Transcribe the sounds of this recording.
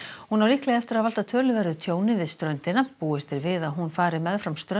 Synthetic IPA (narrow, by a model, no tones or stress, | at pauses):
hunawliːklɛɣaɛft̪ɪɾaðval̥t̪at̪ʰœːlʏvɛɾðʏt̪ʰjoːwnɪvɪðst̪ɾœɥnt̪ɪnːapuːɪst̪ɪɾvɪðaðɦunfaːɾɪmɛðfɾamst̪ɾœ